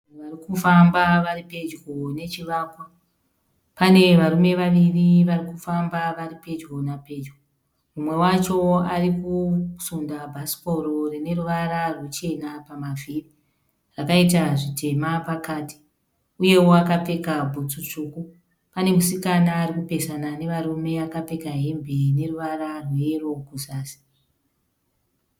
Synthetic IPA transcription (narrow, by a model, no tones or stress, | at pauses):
ʋarikufambaʋaripe̞d͡ʒɡo̞ne̞t͡ʃiʋaːkwa | pane̞ʋarume̞ʋaʋiriʋarikufambaʋaripe̞d͡ʒɡo̞nape̞d͡ʒɡo | mumwe̞wat͡ʃo̞arikusundabʱasi̥poɾo̞rine̞ruʋaɾarwut͡ʃe̞napamaviri | rakait̬aʐitʰe̞mapakaːti̥ | uje̞woakape̞kabʱut͡sut͡ʂuːku | pane̞musikanaːɾikupe̞sanane̞ʋaɾume̞akape̞kaɦe̞mbʱene̞ruʋaɾarwero̞kuzaːsi̥